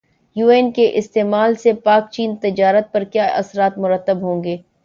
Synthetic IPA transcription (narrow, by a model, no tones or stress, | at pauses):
juːɛːnkeʔɪst̪eːmaːlsepaːk̚t͡ʃiːnt̪ɪd͡ʒaːɾət̪̚pɐɾkjaːʔɐ̰sɾaːt̪mʊɾət̪ːəbɦõːŋɡeː